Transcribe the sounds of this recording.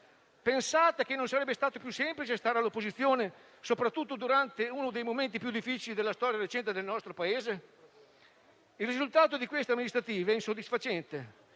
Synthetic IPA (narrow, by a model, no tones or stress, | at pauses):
pensaːt̪ek̟enːonsaɾɛbːest̪aːt̪opjusɛmplit͡ʃest̪aːɾealːopːozit̪sːjoːne | sopɾat̪ːut̪ːod̪uɾant̪euːnod̪ejmoment̪̬ipjud̪ːifːit͡ʃilid̪elːast̪ɔːɾjaɾet͡ʃɛnt̪ed̪elnɔst̪ɾopaeːze | ilrizult̪aːt̪od̪ikwest̪eamːinist̪ɾat̪iːvɛinsod̪ːisfat͡ʃɛnt̪e